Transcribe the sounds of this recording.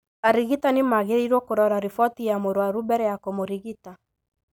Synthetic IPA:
aɾiɣitanɪmaɣeɾiɾwɔkoɾɔɾaɾifɔtijamoɾwaɾubɛɾɛjakomoɾiɣita

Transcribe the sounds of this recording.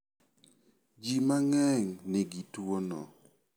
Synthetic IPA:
d͡ʒimaŋɛŋnɪɡitwonɔ̰

